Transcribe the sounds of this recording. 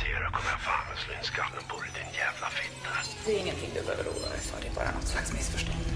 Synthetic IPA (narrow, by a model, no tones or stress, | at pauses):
seːɾəkʰɔməafaːnəslɪnskalːənbʰʊɾɪd̪ɪnjɛːvlafɪt̪ʰːad̪ɛɾɪŋːənt̪ʰɪŋːd̪ʉbøːvəɾuːd̪a̰d̪ɛsha̰ɖɛbɑ̰ːɾanɔt̪ːslaksmɪsfœʂʈɔnd̪